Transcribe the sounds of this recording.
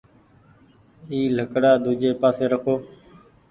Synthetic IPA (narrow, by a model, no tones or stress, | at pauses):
iːləkɽaːd̪uːd͡ʒeːpaːseːɾəkʰoː